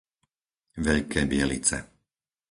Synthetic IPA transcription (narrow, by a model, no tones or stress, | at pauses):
ʋɛʎkʰɛːbɪɛlḭt͡sɛ̰